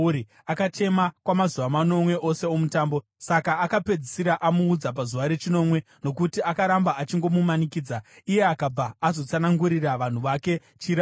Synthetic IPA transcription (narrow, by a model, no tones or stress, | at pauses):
ɾi | akat͡ʃe̞makwamazuʋamano̞mwe̞ʔo̞se̞o̞mutaːmbo̞ | sakaːkape̞d͡zisiɾaʔamuːd͡zap̬azuʋaɾe̞t͡ʃino̞mwe̞ | no̞kutiakaɾambaat͡ʃiŋɡo̞mumanikiːd͡za | ije̞akab͡vaːzo̞t͡sanaŋɡuɾiraʋan̤uʋake̞ | t͡ʃiɾa